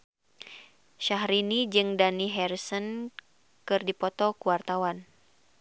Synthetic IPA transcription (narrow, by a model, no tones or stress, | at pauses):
ʃaɦɾinid͡ʒɨŋdaniɦɛrsɔn | kɨrdipɔt̪ɔkuwart̪awan